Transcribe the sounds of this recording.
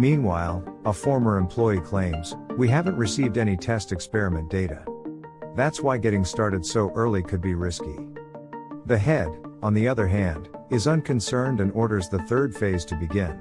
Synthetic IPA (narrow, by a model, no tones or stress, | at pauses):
mĩnwaɪlˠəfɔɹmə˞ɨ̃mpʰl̥ɔɪikʰl̥ẽɪ̃mz̥wiɦævə̃nʔɹɨsivdɛñitʰɛstɨkspɛɹɨmɨ̃nd̥eɪɾɨ̰ | ðætswaɪɡɛɾɪ̃ŋstɑɹɾɨd̥soʊʔɜ˞lˠikʰɨd̚biɹɪski | ðɨɦɛɾə̃nðiʌðə˞ɦæ̃ndɨzʌ̃nkʰɨ̃nsɜ̃˞ndɨ̃nɔɹɾə˞zðəθɜ˞d̥feɪz̥tʰɨbɨɡɪ̃n